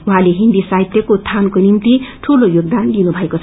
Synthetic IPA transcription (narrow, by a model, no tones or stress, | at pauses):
uɦãleɦind̪isait̪jʌkot̪ʰankonimt̪iʈʰulojoɡ̚d̪anlinubʱʌekot͡sʰ